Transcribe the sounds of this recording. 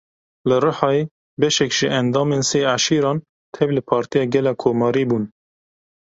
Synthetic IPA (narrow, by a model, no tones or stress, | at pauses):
lɨrɨħɑːe | bɛʃɛkʒ̥ɪʔɛnd̪ɑːmeːnseːʕaʃiːɾɑːn | t̪ʰɛvlɨpʰɑːɾt̪ijɑːɡɛlɑːkʰoːmɑːɾiːbuːn